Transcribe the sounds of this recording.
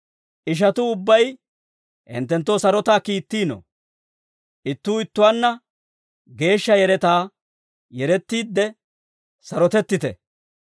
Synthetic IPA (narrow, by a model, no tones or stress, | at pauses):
ʔɪʃ̬ɐt̪ʊʊbːɐj | ʔɛ̰nt̪ːɛnt̪ːoːsɐɾɔt̪aːkiːt̪ːiːno̰ | ʔɪt̪ːuːɪt̪ːʊwanːɐ | ɡe̞ːʃːɐjɛɾɛt̪aː | jɛɾɛt̪ːiːd̪ːɛ | sɐɾɔt̪ɛt̪ːɪt̪ɛ̰